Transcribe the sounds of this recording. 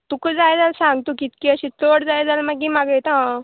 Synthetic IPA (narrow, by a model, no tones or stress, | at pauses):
t̪ukəd͡zajd͡zalsãŋɡt̪okit̪̚kiəɕĩt͡səɽd͡zajd͡zalmaɡimaɡəjt̪a